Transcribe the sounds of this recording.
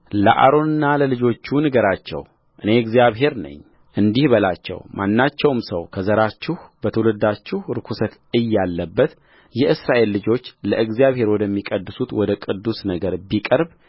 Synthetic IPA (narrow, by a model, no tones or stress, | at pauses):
lə̰ʔa̰ɾo̞nɨnːaləlɨd͡ʒo̞t͡ʃːunɨɡəɾat͡ʃːɛ̰w | ʔɨne̞ɨɡzijaβɦe̞ɾnə̰ɲː | ʔɨnd̪ihbəlat͡ʃːɛ̰wmʔanːat͡ʃːɛwmsə̰wkʰəzəɾat͡ʃːɪhbət̪ʰəwləd̪ːat͡ʃːɪhɾɨkʰusət̪ɨjːalːəbːət̪ | jɛɨsɾaʔe̞lːɨd͡ʒo̞t͡ʃːləʔɨɡzijaβhe̞ɾwɔd̪əmːikʼəd̪ːɨsut̪wɔd̪əkʼɨd̪ːusnəɡəɾbikʼəɾb